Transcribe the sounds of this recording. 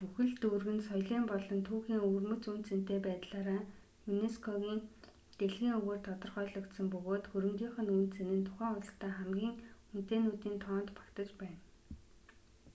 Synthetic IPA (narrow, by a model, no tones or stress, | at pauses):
puxɘ̆ɮt̪urɣɘ̆nsɔjɮiːmpɔɮɞ̆nt̪ʰuːxiːŋɵrmɵ̆t͡sunt̪t͡sɘ̆n̥t̪eːpæːt̪ɮaːɾaː | juneskʰɔɣʲiːn | t̪eɮɣiːŋɵɣeːr̥t̪ʰɔt̪ɞ̆rχœːɮə̆kt̪sə̆mpɵɣoːt̪xuɾɘ̆mɡ̪ʲiːŋχə̆nuːnt̪t͡sĕnɘ̆nt̪ʰʊ̥χæːŋʊɮ̆t̪æːχæmɡʲiːŋun̥t̪eːnuːt̪iːnt̪ʰɔːnt̪pḁkt̪ə̆t͡ɕpæːn